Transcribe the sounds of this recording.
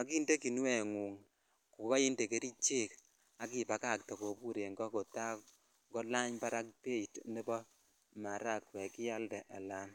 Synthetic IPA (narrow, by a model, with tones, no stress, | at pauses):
a˨k̬i˦nde˦ki˨n˦wɛ˨ŋu˨ŋ | ku˨kɔ˦i˦nde˨ke˦ɾi˦t͡ʃe˦k | a˨˦ki˨pa˨ka˦˨k̚tɔ˨ko˨pu˦ɾe˨ŋɡɔ˦ko˨ta˦k | ŋɡɔ˦la˦ɲpa˦ɾa˦k̚pe˦˨tni˦bɔ˦ | ma˨ɾa˦˨kwɛ˨kɪ˦ja˦ldɛ˨ʔa˨la˦n